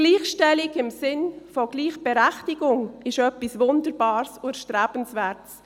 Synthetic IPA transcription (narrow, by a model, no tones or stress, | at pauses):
ɡ̥liːχʃtɛlɪɡɪmsɪnfɔɡ̥liːχb̥ɛɾæχtɪɡʊŋɪʃœpːisvʊndəɾbɑːɾsʊʃtɾæːb̥n̩svɛːɾts